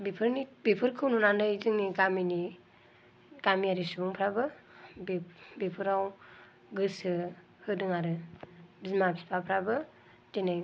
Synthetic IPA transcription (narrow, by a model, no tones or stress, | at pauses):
bepʰɯɾnibepʰɯɾkʰɯwnunandɯjzɯŋniɡamini | ɡ̥amiaɾisubuŋpʰɾabɯ | bebepʰɯɾaw | ɡɯsɯ | hɯdɯŋaɾɯbizmapi̥pʰapʰɾabɯ | tenaj